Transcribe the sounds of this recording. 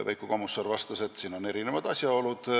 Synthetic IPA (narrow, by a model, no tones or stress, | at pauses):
væjkːˑukomusːɑrvɑst̪ɑse̞t̪ːsiːno̞ne̞ɾinevɑd̪̥ɑsʲjɑo̞lud̪̥